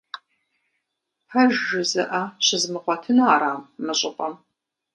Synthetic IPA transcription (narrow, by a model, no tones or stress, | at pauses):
ħɐʒʒɪzɐʔɐɕɪzmɨqʷɔtʰɨnɐːɾaːmːɨɕʼɪqʷʼɐm